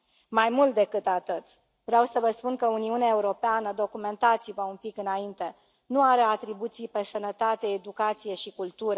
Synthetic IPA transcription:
majmult̪̚d̪e̞kɨt̪at̪ɨt̪ | vɾeawsəvəspunkəuniuneaeuɾo̞peanəd̪o̞kume̞nt̪at̪sivəunpikɨnaint̪e̞ | nuaɾe̞at̪ɾibut̪sijpe̞sənət̪at̪e̞ːd̪ukat̪sije̞ʃikult̪uɾə

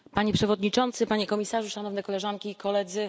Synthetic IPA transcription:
paɲepʂɛvɔd̪ɲit͡ʂɔnt̪sɘpaɲɛkɔmʲisaʐuʂanɔvnɛkɔlɛʐaŋkʲiːkɔlɛd̪zɘ

